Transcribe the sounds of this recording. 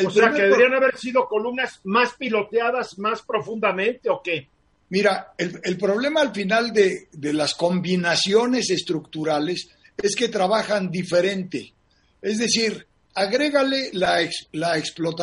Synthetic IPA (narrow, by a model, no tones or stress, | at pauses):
elospɾeakeeɾianaβeɾsiðo̞ko̞lumnazmaspilo̞t̪jaðazmaspɾo̞fund̪amẽ̞nt̪eoke | miɾaelelpɾo̞βle̞maːlfinald̪ed̪e̞lasko̞mbinasjo̞ne̞se̞st̪ɾukt̪uɾale̞s | e̞ske̞t̪ɾaβaxand̪ife̞ɾe̞nt̪e | e̞zðe̞siɾ | aɣɾe̞ɣale̞laekslaeksplo̞t̪a